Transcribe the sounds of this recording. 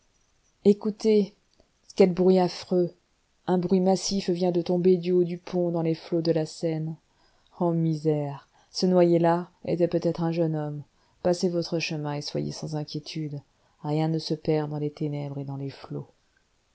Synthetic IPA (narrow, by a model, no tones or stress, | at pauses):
ekut̪e | skɛlbʁɥiafχø | ɛ̃bʁɥimasifvjɛ̃d̪ət̪ɔ̃bed̪yod̪ypʰɔ̃d̪ɑ̃leflod̪əlasɛn | ɑ̃mizɛʁ | sənwajelaḛt̪ɛpøt̪ɛt̪χɛ̃ʒənɔm | pasevɔt̪χəʃəmɛ̃eswa̰jḛsɑ̃zɛ̃kʲjet̪ʰyd̪ | ʁjɛ̃nəsəpɛʁd̪ɑ̃let̪enɛbʁed̪ɑ̃leflo